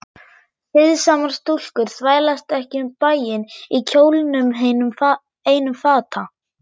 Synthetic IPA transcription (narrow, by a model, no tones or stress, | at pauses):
θɪðsaːmaɾ̥st̪ul̥kʏɾ̥θvaːjlast̪ɛhcɪʏmpaːjɪnicʰoːwlnʏmɦe | heːjnʏmfaːt̪ʰa